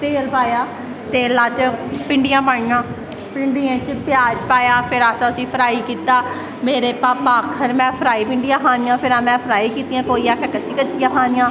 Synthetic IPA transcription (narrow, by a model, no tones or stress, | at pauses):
t̪eːlpaːjaː | t̪eːlaːt͡ʃpɪɳɖɪjãːpaːɽɪjãː | pɪɳɖiːãːt͡ʃpjaːd͡ʒpaːjaːpʰɪɾaːsãəsĩːpʰəɾaːiːkiːt̪aː | meːɾeːpaːpaːkʰəɾmɛ̃ːpʰəɾaːiːpɪɳɖijãːkaːnɪjãːpʰɪɾaːmɛ̃ːpʰəɾaːiːkiːt̪iːjãːkoːiːaːkʰəɾkətːt͡ʃiːkət͡ʃijãːkʰaːnɪjãː